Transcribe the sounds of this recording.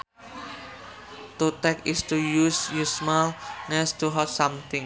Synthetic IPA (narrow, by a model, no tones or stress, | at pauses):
t̪ut̪ɛkist̪ujusjusmalŋɛst̪uɦɔt̪samt̪ɪŋ